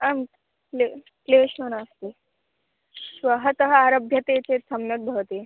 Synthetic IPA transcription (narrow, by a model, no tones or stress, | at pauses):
am | le | kleɕonast̪e | sʋəɦət̪əɦəaɾəbʱjɐt̪et͡sesəmjɐt̪̚bʱəʋt̪e